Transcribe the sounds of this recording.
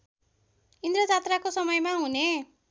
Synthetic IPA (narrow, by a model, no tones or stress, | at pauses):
ind̪rʌd͡zat̪rakosʌmʌjmaɦune